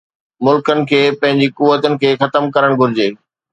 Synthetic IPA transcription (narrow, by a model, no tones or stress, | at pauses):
mʊlkənɪ̆kʰeːpɐ̃ɦɪ̃ɲd͡ʑikʊʋːət̪ənɪ̆kʰeːxɐt̪əmkɐɾəɽ̃ɡʱʊɾɪd͡ʑeː